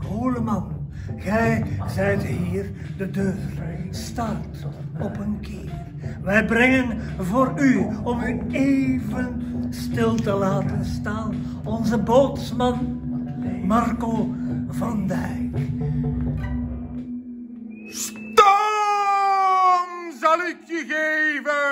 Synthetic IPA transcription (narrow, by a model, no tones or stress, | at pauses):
ɦoːləmɑn | ɣɛjzɛjtɦiːr | dədøːrstartɔpənkɪːr | ʋɛjbrɛŋənvoːɾyɔmɦəneːvənstɪlˠtəlaːtənstaːn | ɔnzəboːtsmɑn | mɑrkoːvɑndɛjk | s | to | ŋzɑlɪkjəɣevə